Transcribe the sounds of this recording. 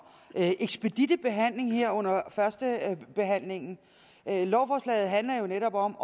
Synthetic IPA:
ʔeɡ̥sb̥e̝d̥id̥əb̥e̝ɦæn̰le̝ŋheɐ̰ɔ̽n̰ɐfɶɐsd̥əb̥e̝ɦæn̰le̝ŋn̩ | lɒʊfɒːslɛ̰ɪð̩ˠɦænlɐjo̝neɾɒ̽b̥ɒ̽m

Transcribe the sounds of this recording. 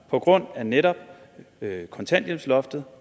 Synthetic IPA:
pʰɒ̽ɡ̥ʁɔ̽n̰æneɾɒ̽b̥̚ | kʰɒ̽nt͡sʰæn̰d̥jemslɒ̽fd̥ð̩ˠ

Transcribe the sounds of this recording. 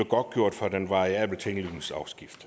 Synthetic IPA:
əɡ̥ɒ̽d̥̚ɡ̥jo̝ɐ̰d̥fɒd̥enʋɑ̈ɪiæb̥l̩t͡sʰeŋli̥n̩sɑ̈ʊsɡ̥ifd̥

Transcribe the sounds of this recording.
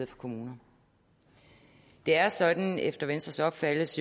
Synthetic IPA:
ð̩ˠfɒ̥kʰo̝muːnɐ | d̥e̝æɐsɒ̽d̥n̩efd̥ɐʋensd̥ʁɐsɒ̽b̥fæləs

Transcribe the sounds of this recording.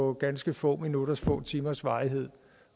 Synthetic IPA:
ɒ̽ɡ̥ænsɡ̥əfɔ̰̽ːminuɾ̥ɐsfɔ̰̽ːt͡sʰiːmɐsʋɑ̈ːɪiɦe̝ð̞̰ˠ

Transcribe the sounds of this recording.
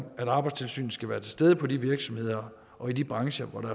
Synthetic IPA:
æɾ̥ɑ̈ːb̥ɑ̈ɪd̥st͡sʰe̝lsy̰ːn̩sɡ̥æʋæːɐt͡sʰe̝̥sd̥eð̞ˠəpʰɒ̽diʋiɐɡ̥sɒ̽mhe̝ð̞̰ˠɐ | ʔɒ̽id̥ib̥ʁɑ̈ŋɕəʋɒdæ

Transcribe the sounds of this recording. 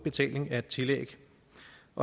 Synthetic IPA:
b̥e̝t͡sʰɛ̰ːle̝ŋæe̝d̥̚t͡sʰe̝lḛɡ̥ | ʔɒ̽

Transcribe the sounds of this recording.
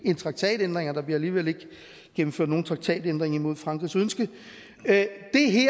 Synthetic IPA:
e̝nt͡sʰʁɑ̈ɡ̥̚t͡sʰɛ̰ːd̥end̥ʁeŋɐd̥ɑ̈b̥liɐæliːʋele̝ɡ̥ | ɡ̥emm̩føɐ̰d̥no̝ːn̩t͡sʰʁɑɡ̥t͡sʰɛ̰ːd̥end̥ʁeŋɐimo̝ð̞̰ˠfʁɑ̈ŋɡ̥ʁisønsɡ̥ə | d̥e̝ɦe

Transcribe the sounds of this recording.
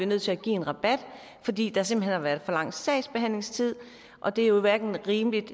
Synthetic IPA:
inøð̰ˠt͡sʰe̝æɡ̥ḭːe̝nʁɑ̈b̥æd̥ | fɒ̽d̥ḭːd̥ɑs̬e̝mb̥əɦḛnhɑ̈ʋæɐðˠfɒ̽lɑ̈ŋ̰sɛɪsb̥eɦæn̰le̝ŋst͡sʰið̰ˠ | ʔɒ̽d̥e̝æjo̝iʋæɐɡ̥n̩ʁiːməlid̥

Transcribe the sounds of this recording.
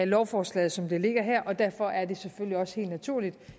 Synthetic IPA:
ælɒʊfɒːslɛ̰ːð̩ˠsɒ̽md̥e̝le̝ɡ̥ɐɦɛɐ̰ʔɒ̽d̥æɐ̰fɒ̽ʔæɐd̥e̝seføliɒ̽sə̥e̝̰ːld̥næt͡sʰuɐ̰lid̥

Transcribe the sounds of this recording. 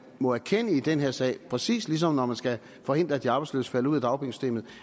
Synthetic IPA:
mɒ̽æɐkʰen̰əid̥enɦeɐ̰sɛ̰ɪ̰pʰʁɛsḭːslis̬ɒ̽mnɒmænsɡ̥æ | fɒ̽he̝n̰d̥ʁɐæd̥iɑ̈ːbɑ̈ɪslø̰ːsə̥fæl̰əuðˠæd̥ɑ̈ʊb̥iŋsy̥d̥e̝̰ːmð̩ˠ

